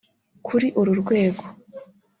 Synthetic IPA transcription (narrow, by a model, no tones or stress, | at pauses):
kʰuɾiʔuɾuɾɡwe̞ːɡo